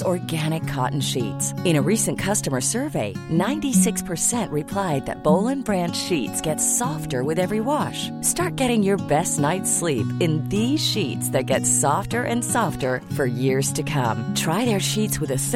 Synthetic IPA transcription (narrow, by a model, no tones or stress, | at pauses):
ɔɹɡæɾ̃ɨkʰːɑ̰ʔn̩ʃḭtsɨ̃ɾ̃ɨɹisɨ̃nkʰʌstəmə˞sɜ˞veɪnãɪ̃ntisɪkspʰə˞sɛ̃nʔɹɨpʰl̥aɪd̪̚ðɨ̰t̚b̥oʊlˠɨ̃nbɹæ̃nd̥ʃitsɡ̥ɛtsɔftə˞wɨðɛvɹiwɑʃ | stɑɹt̚ɡ̥ɛɾɪ̃ŋjə˞bɛstⁿnaɪtslipɨ̃nðiz̥ʃitsðɨt̚ɡ̥ɛtsɔftə˞ʔɨ̃nsɑftə˞fə˞jɪɹz̥tʰɨkʰʌ̰̃mtʰɹ̥aɪðə˞ʃitswɨðɨ